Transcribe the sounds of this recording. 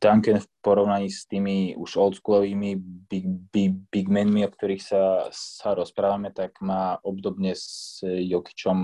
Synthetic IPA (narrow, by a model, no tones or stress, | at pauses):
t̪aŋkɛnfpɔɾɔʊnaɲiːst̪iːmiṵʃɔlt̪skulˠɔʋiːmibibibiɡmɛnmiɔkt̪ɔɾiːxsasaɾɔspɾaːʋamɛt̪aɡmaːɔbd̪ɔbɲɛzjɔki̥t͡ʃɔm